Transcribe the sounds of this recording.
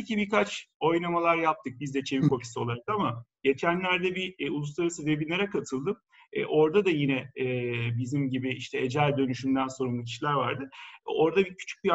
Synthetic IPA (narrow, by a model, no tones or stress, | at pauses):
cibiɾkat͡ʃo̞jnamalˠaɾjap̚t̪ʰɯk̚bizd̪ɛt͡ʃʰe̞viko̞fi̥sio̞lˠaɾakamaɟ̥e̞t͡ʃʰænlʲæɾd̪ɛbiulˠuslˠaɾasɯd̪ebinʲːeɾɛkat̪ʰɯlˠd̪ɯm | ɛ̰ʔo̞ɾd̪ad̪ajinɛɛːbizimɟibiiʃt̪ʰɛed͡ʒælʲd̪ø̞nyʃymd̪ænso̞ɾumlˠɯc̬ʰi̥ʃlʲæɾvaɾd̪ɯo̞ɾd̪abicʰy̥t͡ʃʰy̥c̚uja